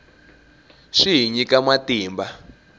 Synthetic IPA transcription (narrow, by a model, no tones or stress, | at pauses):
ʂiɦiɲikamatiːmba